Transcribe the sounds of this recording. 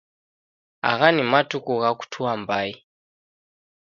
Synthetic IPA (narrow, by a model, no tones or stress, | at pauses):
a̰ɣanimatukuɣaku̥tʰuambai